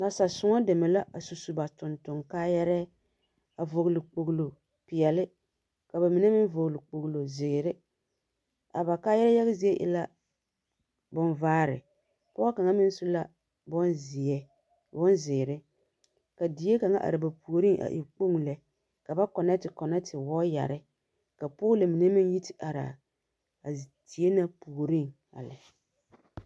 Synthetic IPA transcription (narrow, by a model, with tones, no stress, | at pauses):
na˨sa˨sʊ˨ŋa˦dɛ˨mɛ˨la˦ʔa˨su˨su˨ba˨tʊ˨ntʊ˨ŋkaː˦jɛ˦ɾɛ˦ | a˨vʊ˨ɣlɪ˨k͡po˨ɡlo˨ | pɪ˨jɛ˨lɪ˦ | ka˨ba˨mi˨nɛ˦mɪ˦n˦vʊ˨ɣlɪ˨k͡po˨ɣlo˨zɪ˨ɡɾɪ˦ | a˨ba˨kaː˦jɛ˦ɾɛ˦ja˦ɣɪ˦zi˨˦e˦ʔɪ̰˨la˦ | bʊ˦nvaː˦ɾɪ̰˨ | pɔ˦a˦ka˨ŋa˦mɪ˦n˦sʊ˦la˦ | bɔ˦nzɪ˨ɛ˦ | bɔ˦nzɪ˨ɾɪ˦ | ka˨di˨je˦ka˨ŋa˦ʔa̰˨ɾɪ˨ba˨pu˨o˨ɾi˦ŋʔa̰˨ʔḭ˨k͡po˦ŋ˨lɛ˨ | ka˨ba˦kɔ˨nɛ˦tɪ˨kɔ˨nɛ˦tɪ˨wɔː˦ja̰˨ɾɪ˦ | ka˨po˦lɪ˨mɪ˨nɛ˦mɪ˦ŋ˦ji˦tɪ̥˨ʔa˨ɾa̰˨ | a˨ti˨e˦na˦pu˨ɾi˦ŋ | a̰˨lɪ˨